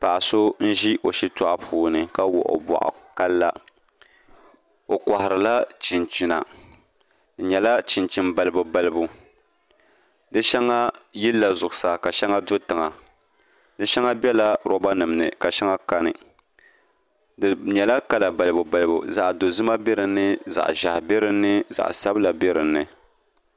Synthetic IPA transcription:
pa˨ʔa˨so˦n̩˦ʒi˦ʔo˨ʃi˦tɔ˦ʔa˦˨pʰuː˦nɨ˨ka˦wɔ̰˨ʔʊ̰˨bɔ̰˨ʔa̰˨ka˦lːa˦ | o˨kʷa˨hɪ˨ɾɨ˨la˦t͡ʃi˨nt͡ʃi˨na̰˨ | dɨ˨ɲɛ˨la˦t͡ʃi˨nt͡ʃi˦nba˨lɨ˦bu˨ba˦lɨ˦bu˨ | dɨ˦ʃɛ˦ŋːa˦ji˦lːa˨zʊ˨ʔʊ˨sa˨ka˨ʃɛ˦ŋːa˦do˦tɨ˨ŋa˨ | dɨ˦ʃɛ˦ŋa˦bɛ˦la˦ɾɔ˦ba˦nɨ˨mnɨ̰˨ka˨ʃɛ˦ŋa˦ka˦nɨ˨ | dɲɛ˨la˦ka˦la˨ba˨lɨ˨bu˨ba˨lɨ˦bṵ˨za˨ʔdo˨zɨ˦ma˦bɛ˦ɾɨ˨nːɨ˦za̰˨ʔʒa̰˨hbɛ˦ɾɨ˦nːɨ˦za̰˨ʔsa˦bla˨bɛ˦ɾɨ˨nːɨ˨

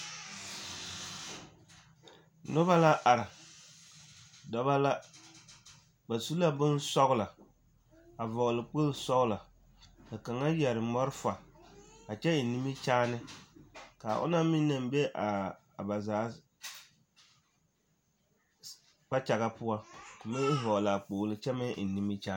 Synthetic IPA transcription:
nʊ˦ba˦la˦ʔa˨ɾa˨ | dɔ˦ba˦la˦ | ba˨su˦la˦bʊ˦nsɔ˦ɣʊ˦la˨ | a˨vɔ˨ɣʊ˨lɨ˨k͡po˦lsɔ˦ɣʊ˦la˨ | kɨ˨ka˨ŋa˦jɛ˨ɾɨ˨mɔ˦ɾɨ˦fa˨ka˨t͡ʃɛ˦˨ni˦mi˦t͡ʃaː˦nɨ˦ | ka˨ʔʊ̰˦na˦miː˦a˨m˦bɛ˦ʔa˨ | ba˨zaː˨˦ | k͡pa˦t͡ʃa˨ɣa˦pʊ˦a˦kʊ˨me˦ɦɔ˨la˨k͡poː˨lɨ˨t͡ʃɛ˦mɛ˦ʔni˦mi˦t͡ʃaː˦

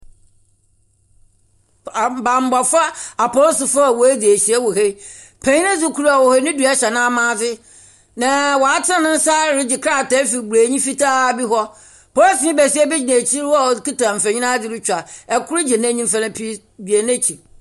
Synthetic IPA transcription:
bã˨m˨ba˨fa˦a˨pɔ˦lsʊ˨fa˦˨wɔ˨æ˦di˨æ˨ɕi˨ɛ˦wo˨ɦe˦ | pʰæ̃˨˦ɲĩ˦nã˦su˨kʰu˨ɾa˨wɔ˨he˦nɪ̃˦dɥa˦ɕɛ˨nã˦a˨mãː˦dɪ˦ | nã˨wɔ˨a˦tʰã˦nʊ̃˦n̩˦saː˦˨ɾɪ˦d͡ʑɪ˨kʰɾa˦˨ta˦fi˨ɡ͡bɾeː˨ɲĩ˦fi˦ta˦bi˦ɦɔ˦ | pʰɔ˦lsɪ̃˦bɛ˨si˦ɛ˦bɪ˦d͡ʑɪ˨nã˨t͡ɕʰi˦ɾwɔ˦˨ki˦ta˨m̩˨fæ̃˨ɲĩ˦nã˦dɪ˨ɾɪ˦t͡ɕᶣa˨ɛ˨kʰʊ˦ɾɪ˦d͡ʑɪ˨nã˦ɲĩ˦m̩˦fa˦nã˦pʰi˦ | dɥe˨nɛ̃˦t͡ɕʰi˨

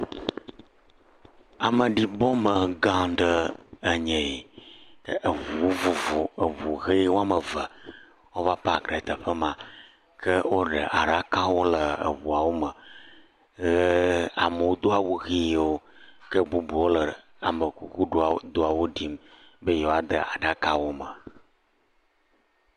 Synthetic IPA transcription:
a˨mə˨ɖi˨bɔ˦mə˨ɡã˦ɖə˦ə˨ɲɛ̃˨i˨kə˦ʔə˨vu˨wo˦vu˨vu˨ə˨vu˨ɣe˦wo˦a˨mə˨və˨ | wo˦va˦pə˦a˨ɡɾe˨t̪ə˨ɸə˦mã˨ | kə˦wo˦ɖə̰˨ʔa˨ɖa˦kã˦wo˦lə˨ə̰˨βu˨a˨wo˦mə˨ | ɣə˦a̰˨mə˨wo˦d̪o˦a˨wu˦ɣi˦wo˦kə˦bu˦bu˨wo˦lə˨ | a̰˨mə˨ku˦ku˦ɖo˦a˨d̪o˦a˨wo˦ɖi˦mbə˦je˨wo˦a˦d̪ə˨a˨ɖa˦ka˦wo˦mə˨

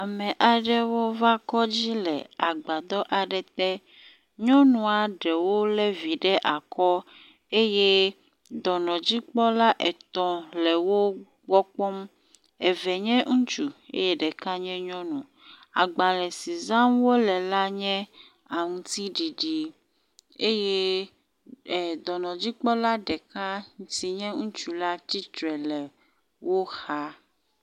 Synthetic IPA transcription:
a˨mɛ̃˨ʔa˨ɖɛ˦wo˦va˦kɔ˦d͡ʑi˦lɛ̰˨a˨ɡ͡ba˨d̪ɔ˦ʔa˨ɖɛ˨t̪ɛ˦ | ɲɔ̃˦nũ˨a˨ɖɛ˨wo˦lɛ˦vi˨ɖɛ˦ʔa˨kɔ˦ | e˦je˦ | d̪ɔ˨nɔ̃˨d͡ʑi˦k͡pɔ˦la˦ʔɛ˨t̪ɔ̃˦lɛ˨wo˦ | ɡ͡bɔ˦k͡pɔ˦m | e˨vɛ˨ɲɛ̃˦ŋ̩̃˦t͡ʃu˨ḛ˦je˦ɖɛ˨ka˦ɲɛ̃˦ɲɔ̃˦nũ˨ | a̰˨ɡ͡ba˨lɛ˨si˨zã˦mwo˦lɛ˨la˦ɲɛ̃˦ | a˨ŋũ˨t̪i˦ɖi˨ɖi˨ | e˦je˦˨ | d̪ɔ˨nɔ̃˨d͡ʑi˦k͡pɔ˦la˦ɖɛ˨ka˦ɲ̩˨si˨ɲɛ̃˦ŋũ˦t͡ʃu˦la˦t͡ɕi˦t͡ʃɾɛ˨lɛ˨ | wo˦xa˦

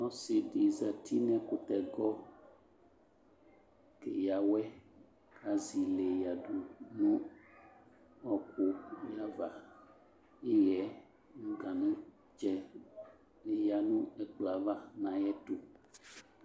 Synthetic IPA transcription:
nɔ̃˦se˨ɖe˨za˨t̪ʰi˦nɛ̃˦ko˨t̪ɛ˨ɡɔ˦ | ke˨ja˨wɛ˦ | ka˨zi˨le˨ja˨ɖu˨nũ˦ | ɔ˦ko˨ja˦va˨ | e˦jɛ˨˦ | ŋũ˦ɡã˨nũ˦ | d͡ʒɛ˨ | le˨ja˨nũ˦ɛ˦k͡pla˨va˦nã˨jɛ˦t̪o˨

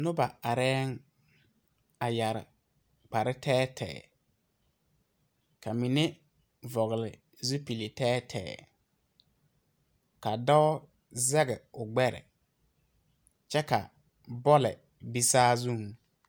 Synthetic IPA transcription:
nʊ˦ba˨a˨ɾɛː˦ŋ | a˨ja˨ɾɪ̰˨ | k͡pa˨ɾɪ˦tʰɛː˦tʰɛ̰ː˨ | ka˨mi˨nɪ˦ | vɔ˨ɣɪ˨lɪ̰˨ | zu˦pi˨le˨tɛː˦tʰɛ̰ː˨ | ka˨dɔ˦ | zɛ˦ɣɛ˨ʊ˨ɡ͡bɛ˦ɾɛ̰˨ | t͡ʃɛ˦ka̰˨ | bɔ˦lɛ˨ | bi˦saː˦zu˦˨ŋ

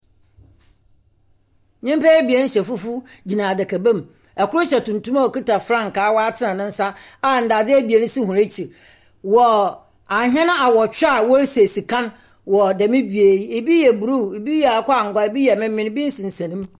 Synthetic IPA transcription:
ɲɪ̃˦mpa˦ɛ˦bi˨e˨˦n˦ɕɛ˨fu˦fu˦d͡ʑi˨nã˨dɛ˨kʰæ˨bæ̃˦m˨ | ɛ˨kʊ˦ɾʊ˦ɕɛ˨tũ˨ntʰũ˦ma˦ɔ˨ki˦ta˨fɾã˦˨ŋ̩˨kaː˨˦wɔ˦a˦tʰɪ˦nã˨nɪ̃˦n̩˦sa˦ | a˦˨n̩˨da˨d͡zɪ˦ɛ˦bi˨e˨nɪ̃˦si˦ɦũ˨ɾe˦t͡ɕʰi˨ | wɔ˨ | a˨ɦɛ̃˦nʊ̃˦a˨wɔ˨t͡ɕᶣa˦˨wɔ˦ɾse˨si˨kʰã˦n | wɔ˨dɛ˨mɪ̃˦bi˨e˨˦e˨bi˦jɛ˨bu˨ɾu˦˨e˨bi˦ja˨˦kʰɔ˦a˨ŋ̩˨ɡa˦e˨bi˦jɛ˨mɪ̃˦mɪ̃˨n˦bi˦n̩˦sɪ̃˨n̩˨sã˨nĩ˦m

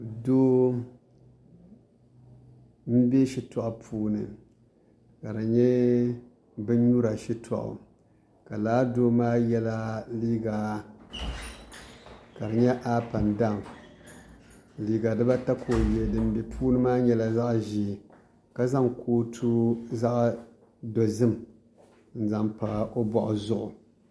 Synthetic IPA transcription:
do˦ | m̩˦be˦ʃi˦tʰɔ˨ʔa˨pʰuː˦nɨ̰˨ | ka˨dɨ˨ɲɛ˦ | bɨ˦ɲu˦ɾa˨ʃi˦tʰɔ̰˨ʔʊ̰˨ | ka˨laː˨˦doː˦maː˦jɛ˦la˦liː˦ɡa˨ | ka˨ɾɨ˨ɲɛ˦ʔaː˦pa˨nda˦˨m | liː˨˦ɡa˨dɨ˦ba˦ta˦kʰo˨je˨dɨ˨m˦bɛ˨pʰuː˦nɨ˦maː˦ɲɛ˦la˨za˦ʔʒi˦˨ | ka˨za˦ŋkʰoː˦tʰu˦za˦ʔ | do˨zɨ˦m | n̩˦za˨mpa˨ʔo˦bɔ˨ʔʊ˨zʊ˦ʔʊ˨

